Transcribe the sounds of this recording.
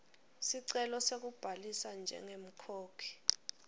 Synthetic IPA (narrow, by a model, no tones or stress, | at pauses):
siǀɛlɔsek̬ub̥ʱalisand͡ʒʱɛ̰ŋem̩kʰoːkʰi̥